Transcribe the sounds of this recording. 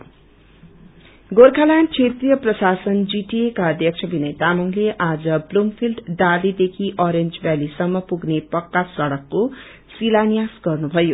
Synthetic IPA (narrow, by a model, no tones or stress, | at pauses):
ɡorkʰalant͡sʰet̪rijʌprʌsasʌnd͡ziʈiekaʌd̪ʱjʌk̚t͡sʰʌbʱinʌjt̪amʌŋleʔad͡zʌblumpʰilɖːalid̪ekʰiʔʌɾend͡zbjalisʌmːʌpuɡnepʌkːasʌɽʌkːo | silanijasɡʌrnubʱʌjo